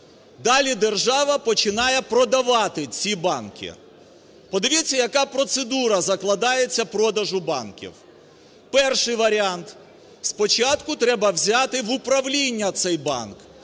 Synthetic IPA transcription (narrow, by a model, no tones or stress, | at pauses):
d̪ɑlʲid̪erʒɑʋɐpɔt͡ʃɪnɑjɛpɾɔd̪ɐʋɑt̪ɪt͡sʲibɑnkʲɪ̰ | pɔd̪ɐʋʲit͡sʲːɐjɐkɑpɾɔt̪sed̪uɾɐzɐklˠɐd̪ɑjet͡sʲːɐpɾɔd̪ɐʒʊbɑ̰nkʲḭw | pɛrʃɪjʋɐɾʲɪant̪ | spɔt͡ʃɑt̪kʊt̪ɾɛbɐwzʲat̪ɪʋʊpɾɐʋlʲinʲːɐt̪sɛjbɑ̰nk